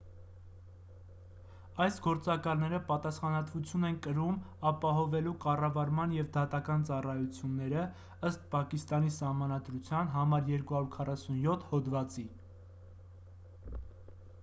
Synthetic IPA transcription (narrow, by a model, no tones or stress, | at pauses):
ɑjsɡɔɾt͡sɑkɑlnɛɾəpɑt̪ɑsχɑnɑt̪vut͡sʰjunɛnkəɾumɑpɑɦɔvɛlukɑrɑvɑɾmɑnjɛvd̪ɑt̪ɑkɑnt͡sɑrɑjut͡sʰjunːɛɾə | əst̪̚pʰɑkist̪ɑnisɑhmɑnɑd̪ɾut͡sʰjɑnɦɑmɑɾjɛɾkuhɑɾuɾkʰɑrɑsunjɔt̪ʰhɔd̪vɑt͡si